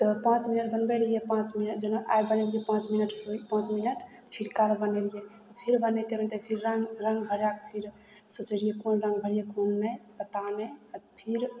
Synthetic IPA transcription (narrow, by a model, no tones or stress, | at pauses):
t̪ɔpãt͡ʃminəʈ̚bənbelijepãt͡ʃminəʈd͡ʒənaʔajbənelijepãt͡ʃminəʈopãt͡ʃminəʈ | pʰiɾkalbənelijet̪ɔpʰiɾbənet̪ebənt̪epʰiɾːəŋɾəŋɡbʱəɾak̚pʰiɾ | sot͡ʃeɽijekonɾə̃ŋɡbʱəɽijekonːəbət̪anɛpʰiɾ